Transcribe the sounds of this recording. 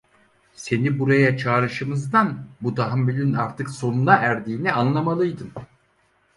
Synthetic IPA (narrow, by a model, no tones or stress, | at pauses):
se̞nibuɾajat͡ʃʰaːɾɯʃɯmɯzd̪anbud̪aɦamːylʲynaɾt̪ʰɯkso̞nunaʔæɾd̪iːnɛanlˠamalˠɯjd̪ɯm